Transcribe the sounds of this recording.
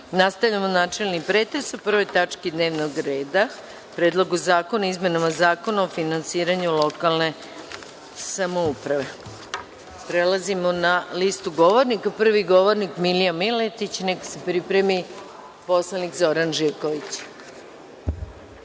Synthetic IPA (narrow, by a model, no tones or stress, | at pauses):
nast̪aʋʎamonaːt͡ʃe̞lˠnipɾeːt̪ɾesupr̩ʋo̞jt̪at͡ʂkid̪ne̞ːʋnoɡɾe̞ːd̪a | pɾe̞ːd̪lˠo̞ɡuzaːko̞naizme̞namazaːkonaofinansiːɾaɲulo̞kalˠne̞ | samoupɾaʋe̞ | pɾelˠazimonalist̪uɡo̞ʋoɾnikapr̩ʋiɡo̞ʋoɾnikmilijamilet̪it͡ɕneksepɾipɾe̞mi | po̞slˠanikzo̞ɾanʒiɾkoʋit͡ɕ